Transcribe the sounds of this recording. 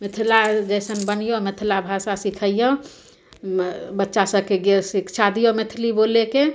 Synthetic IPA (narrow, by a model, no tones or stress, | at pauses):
mɪt̪ʰilad͡ʒəɪsənbənijomet̪ʰilabʱasasikʰəjjɔ̃ | bətːʃasəkeɡsikt͡ʃʰad̪ijomet̪ʰliboleke